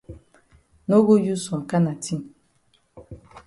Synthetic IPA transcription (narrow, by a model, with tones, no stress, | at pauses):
no˦ɡo˦ju˦sɔ˨ka˦na˨ti˦m˨